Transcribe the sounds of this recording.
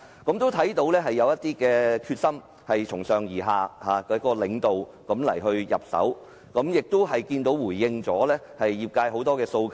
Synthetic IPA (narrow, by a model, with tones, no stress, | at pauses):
kɐ˨˥mt̪o˥wt̪ʰɐ˨˥jt̪o˨˧wlɛː˥ɦɐ˨jːɐ˨˧wjɐ˥t̪̚iː˥kɛː˧kʰyː˧t̚sɐ˥m | hɐ˨jt͡ʃʰʊ˨˩ŋsœː˨˩ŋjiː˨˩ɦaː˨˩haː˨kːkɔ˧lɪ˨˥ŋt̪o˨wkɐ˨˥mlɐ̰˨˩jɦɵ˧ɥjɐ̰˨˩p̚sɐ̰˨˥w | kɐ˨˥mjɪ˨k̚t̪ʊ˥wɦɐ˨jkiː˧nt̪o˨˥wwuː˨˩jːɪ˧ŋt͡sɔː˨˥lɛː˥ | hɐ˨jːiː˨p̚kaː˧jho˨˥wt̪ɔː˥kɛː˧so˧wk